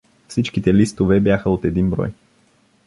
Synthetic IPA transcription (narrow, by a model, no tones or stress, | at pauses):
fsit͡ʃkit̪ɛlist̪ovɛbjaxəot̪ɛd̪inbɾɔ̰j